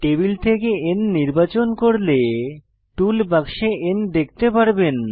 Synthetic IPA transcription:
ʈebilt̪ʰekeenːiɾbat͡ɕonkoɾle | ʈulbaɡʃeʔend̪ek̚ʰt̪epaɾben

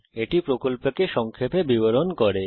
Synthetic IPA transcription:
eʈipɾokolpekeʃɔŋkʰepebiboɾonkɔɾe

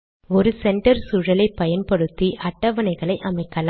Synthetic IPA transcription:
ɔɾɯsɛɳʈɐɾsʊɻɐlɐɪpːɐjɐnpɐɽɯt̪ːiʔɐʈːɐʋɐnɐɪɣɐɭɐɪʔɐmɐɪkːɐl

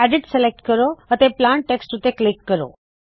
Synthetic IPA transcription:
æɖɪʈselek̚ʈkəɾoət̪eplaɳʈ̚ʈeksʈɾut̪eklikːəɾo̰

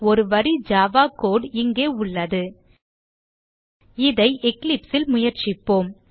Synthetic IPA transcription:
ɔɾɯʋɐɾid͡ʒaːʋaːkoːɽɪŋɡeːʊɭːɐðɯ | ɪðɐɪʔɛklɪpsɪlmʊjɐɾt͡ʃɪpːoːm

